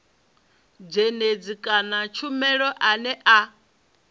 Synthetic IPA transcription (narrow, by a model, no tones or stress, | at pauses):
b͡ʐened͡zikʼanat͡ʃʰumɛɺɔʔanɛʔa